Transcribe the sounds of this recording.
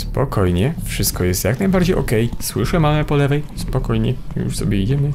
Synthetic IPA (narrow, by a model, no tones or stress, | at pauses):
spɔkʰɔjɲɛfʂɘst̪̚kɔjɛst̪jaknajbaɾd͡ʑejʔɔ̰kɛjswɘʂɛmamɛpɔlɛvɛjspɔkɔjɲɛ̰jṵʂsɔ̰bʲjɛid͡ʑɛmɘ